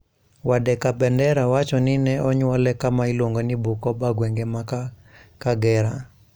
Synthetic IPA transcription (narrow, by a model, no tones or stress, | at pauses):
wadɛkabɛndɛɾawat͡ʃɔnɪnɛɔɲwɔlɛkamailwoŋɡonibukɔbaɡweŋɡemak | kaɡɛɾa